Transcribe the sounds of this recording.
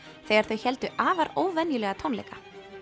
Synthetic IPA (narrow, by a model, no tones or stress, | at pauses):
θɛːɣaɾ̥θœɥçɛlt̪ʏʔaːvaɾoːwvɛnjʏlɛɣat̪ʰownlɛ̰jka